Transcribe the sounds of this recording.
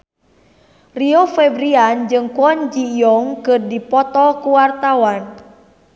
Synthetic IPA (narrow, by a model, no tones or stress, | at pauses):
riɔfɛbɾiand͡ʒɨŋkuɔnd͡ʒijɔŋkɨrdipɔt̪ɔkuwart̪awan